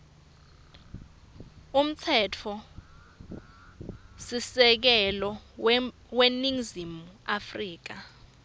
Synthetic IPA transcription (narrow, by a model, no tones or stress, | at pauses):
um̩t͡sʰɛtʰɔ | sisɛk̬ɛlɔ | weniŋzimuafriːk̬a